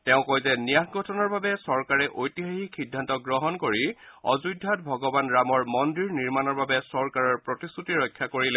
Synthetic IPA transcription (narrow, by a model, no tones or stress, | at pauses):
tɛʊ̃kojzɛnijakɡʱɔtʰɔnɔɹbabɛsɔɹkaɹɛʔojtiɦaxikʰidʱːantɔɡɹɔɦɔnkoɹiɔ̰zujdʱːatbʱɔɡɔbanɹamɔɹmɔndiɹniɹmanɔɹbabɛsɔɹkaɹɔɹpɹotisutiɹɔjkʰːjakoɹilɛ